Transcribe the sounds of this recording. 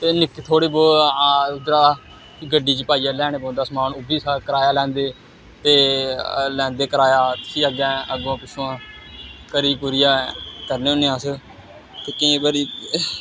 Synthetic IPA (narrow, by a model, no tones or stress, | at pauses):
t̪eːnɪkːt̪ʰoːɽeːboː | d̪ɾaː | kːɡəɖiːt͡ʃəpaːiːãːlɛːɽ̃eːbõːnd̪aːsmaːnʊbiːsaːkəɾaːjaːlɛ̃ːnd̪eː | t̪eː | lɛ̃ːnd̪eːkəɾaːjaːt̪iːəɡɛ̃ːʔəɡãːpɪʃʰuːãː | kəɾiːpuːɾɪjaːkəɾneːõneːãːsə | t̪eːkẽːbəɾiː